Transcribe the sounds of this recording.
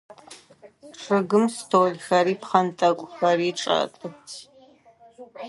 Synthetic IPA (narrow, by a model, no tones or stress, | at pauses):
ʈ͡ʂʰʼɨɡɨmstʰoːɮxɐɾiːpχɐntʼɐkʷʼxɐriːʈ͡ʂʼa̰tʼɨtʰ